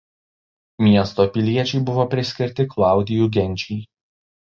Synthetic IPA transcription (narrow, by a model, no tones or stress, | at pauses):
mʲiɛst̪oːpʲɪlʲiɛt͡ʃʲɛɪbʊʋoːpʲɾʲɪsʲkʲɪɾʲt̪ʲɪklˠɑˑʊd̪ʲɪjuːˑɡʲɛnʲt͡ʃʲɛj